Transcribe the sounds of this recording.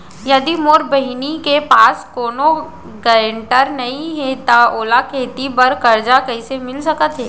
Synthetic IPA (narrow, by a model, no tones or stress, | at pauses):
jɐd̪imoːɾbɐɦinikepaːskoːno | ɡəɾə̃ɳʈəɾnɐɦĩɦɛt̪aoːlakʰeːt̪ipɐɾkɐɾd͡ʒakɐɦisemɪlsɐkət̪ɦɛː